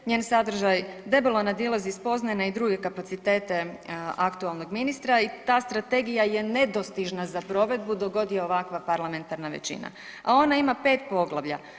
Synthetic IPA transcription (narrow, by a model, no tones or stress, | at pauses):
ɲe̞ːnsad̪r̩ʒajd̪e̞belonad̪ilˠaziːspo̞znanaid̪ɾuːɡe̞kapat̪sit̪e̞ːt̪e̞akt̪ualˠno̞ɡminist̪ɾait̪aːst̪ɾat̪e̞ɡijaje̞ne̞d̪o̞st̪iʒnazapɾo̞ʋe̞d̪̚bud̪o̞ɡo̞d̪ijeoʋakʋapaɾlˠame̞nt̪aɾnaʋḛt͡ɕḭna̰ | ao̞naimape̞ːt̪po̞ɡlˠaʋʎa̰